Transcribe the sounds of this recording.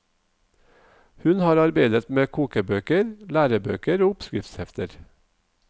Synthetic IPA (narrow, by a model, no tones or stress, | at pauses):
hʉnhɑːɾɑɾbeɪd̪ət̪meːkʰuːkəbøːkəɾlæːɾəbø̰ːkəɾoːʊpskɾɪft̪shɛft̪əɾ